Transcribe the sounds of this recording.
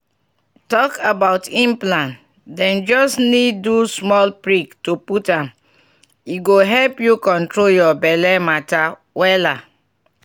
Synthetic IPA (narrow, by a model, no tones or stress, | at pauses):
tɔkabaʊtĩmplãn | dɛ̃nd͡ʒɔsnidːusmɔlpɹiktuputãm | iɡoɦɛlpjukɔ̃ntɹoljɔbɛlɛmata | wɛla